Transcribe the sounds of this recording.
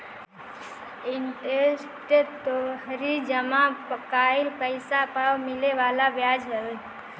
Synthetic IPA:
intes | ʈ̪et̪oɦɾid͡ʒəmapəkaɪlpəɪsapawmileʋalabjad͡ʒɦəe

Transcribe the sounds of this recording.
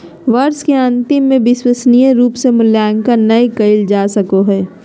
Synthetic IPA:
ʋəɾskeɐ̃nt̪ɪmːẽbɪswəsnijəɾuːpsemʊljaːŋkənɐikəɪld͡ʒaːsɐkoɦɛː

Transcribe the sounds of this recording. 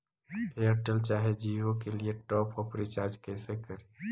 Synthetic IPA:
eəɾʈəlt͡ʃaːɦed͡ʒiːʋõkelieʈɔːpɔːɾpəɾit͡ʃaːɾd͡ʒkɛːsekəɾe

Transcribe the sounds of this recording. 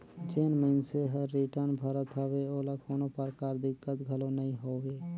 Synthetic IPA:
d͡ʒeːnməɪnseɦəɾːiʈəɾnbʱəɾət̪ɦoʋeoːlɐkʰoːnopəɾkaːɾd̪ɪkːət̪ɡʱəlonɐɦĩɦoːʋeː

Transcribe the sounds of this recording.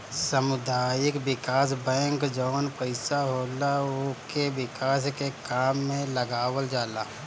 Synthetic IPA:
səmʊd̪aːjɪkwɪkaːs̬bɛ̃ːŋkd͡ʒɔːnpəɪsaɦoːlaokewɪkaːs̬kekaːmːẽləɡaːwəld͡ʒaːla̰ː

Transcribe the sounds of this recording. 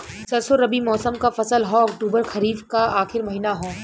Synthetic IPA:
t͡ʃɐlsoɾɐbimɔːsəmkafɐsəlɦõɐkʈuːbəɾxʰɐɾiːfkaaːxɪɾmɐɦiːnaɦõː

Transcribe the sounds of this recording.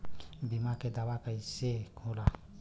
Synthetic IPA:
bimakɛdabakaisekʰola

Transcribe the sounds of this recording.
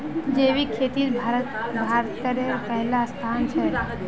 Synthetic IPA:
d͡ʒeːʋikʰeːt̪iɾbʱaɾə | bʱaːɾt̪ːəɾeɾpəɦlast̪ʰant͡ʃʰɛ

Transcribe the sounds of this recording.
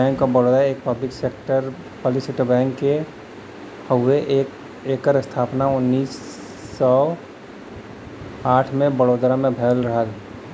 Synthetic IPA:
ɛ̃ːŋkːobəɽoːd̪ɾaeːk̚pəblɪkseːk̚ʈəɾ | pəlisɪʈəbɛ̃ːŋkːe | həweʔːk | eːkəɾɪst̪ʰaːpnaʊnːiːsː | ɔː | aːʈʰmẽbəɽoːd̪ɾamẽbʱɛːlɾəɦəl

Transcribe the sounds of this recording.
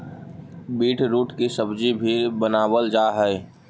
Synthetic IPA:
biːʈʰɾuːʈkisəbd͡ʒibʱibənaːwəld͡ʒaːɦɛe

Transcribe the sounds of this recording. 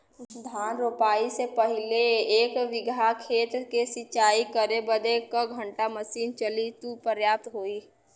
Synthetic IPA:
d̪ʱaːnɾopaːisepɐɦɪleːkʋɪɡʱakʰeːt̪ɾkesɪt͡ʃaːikəɾebəd̪ekəɡʱə̃ɳʈaməsiːnt͡ʃəlit̪upəɾjaːp̚t̪ɦoːiː

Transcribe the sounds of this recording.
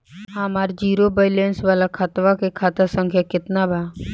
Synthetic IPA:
amaːɾd͡ʒiːɾobəɪlẽːnsʋaːlakʰat̪ʋakekʰaːt̪asə̃ŋkʰjakɪt̪nabʱaː

